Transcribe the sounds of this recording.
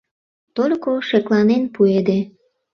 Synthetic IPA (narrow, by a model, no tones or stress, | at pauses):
t̪olʲkoʃeklɑnenpued̪e